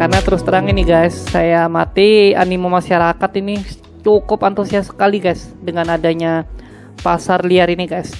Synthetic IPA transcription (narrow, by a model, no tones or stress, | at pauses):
karnat̪əɾʊst̪əɾaŋiniɡajsːajamat̪ia̰nimomasaɾakat̪ini | t͡ʃukʊpant̪usiasə̥kaliɡajsdəŋanadaɲa | pasarliaɾiniɡajs